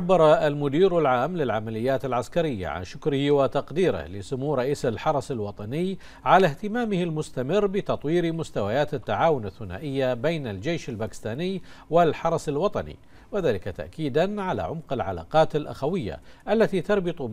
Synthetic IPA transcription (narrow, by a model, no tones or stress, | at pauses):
abːɑɾˤɑalmʊd̪iːɾalʕaːmlɪlʕamalɪjːaːt̪alʕaskaɾɪjːa̰ʕa̰nʃʊkɾɪhɪwɪt̪ɑqd̪iːɾɪ̰hlɪsʊmuːɾˤɑʔiːsalħɑɾˤɑsalwɑt̪ˤɑnɪj | ʕalaht̪ɪmaːmɪhɪlmʊst̪amɪrːbɪt̪ɑt̪ˤwiːɾmʊst̪awajaːt̪at̪ːaʕaːwʊnaθːʊna̰ːʔɪjːabeːnald͡ʒejʃalbaːkɪ̥st̪aːnɪjwɪlħɑɾˤɑsalwɑt̪ˤɑnḭ | wɪðaːlɪkat̪a̰ʔkiːd̪anʕala̰ʕʊmqɪlʕa̰la̰ːqɑːt̪alʔa̰xawɪjːa̰ʔalːat̪it̪ɑɾˤbɨt̪ˤu